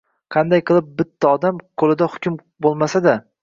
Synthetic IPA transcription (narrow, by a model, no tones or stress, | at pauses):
qʰɑnd̪ajqʰɨlˠɪp̚bɪt̪ʰːaɒd̪amqʰolˠɪd̪ahʊ̥kʲʊm | bolˠmasad̪a